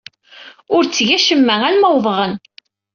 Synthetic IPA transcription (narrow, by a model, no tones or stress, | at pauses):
ʊɾt͡sːʝæʃəmːæælmæwðˤʁən